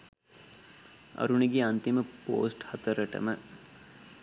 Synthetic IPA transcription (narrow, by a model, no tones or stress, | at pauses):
ɐ̰ɾuɳ̃iɡiɐ̃nt̪iməpo̰ːsʈhɐt̪əɾəʈə̰mə